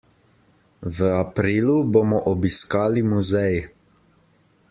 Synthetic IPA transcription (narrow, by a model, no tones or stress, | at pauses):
ʋəapɾiːluboːmɔʔɔbiskaːlimuzɛj